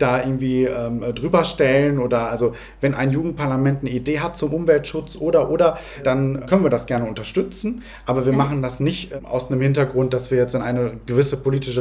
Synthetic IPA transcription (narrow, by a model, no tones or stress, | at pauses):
d̥aːʔɪɐɡŋ̩tv̥iːʔɛːmdʁyːbɐʃtɛlənʔoːdɐʔalzo | vɛnʔa̰ɪnjuːɡŋ̩t̚pʰaɐlamɛntnəideːɦat̚t͡sʊmʔʊmvɛltʃʊt͡sʔoːdɐʔoːdɐ | d̥ankʰœnənviːɐdasɡ̥ɛɐnəʊntɐʃtʏt͡sn̩ | ʔʔaːbɐviːɐmaχn̩dasnɪçtʔa̰ʊsnəmhɪntɐɡʁʊnt̚d̥asv̥iːɐjɛt͡stɪnʔaɪnəɡ̥əvɪsəpoliːtɪʃə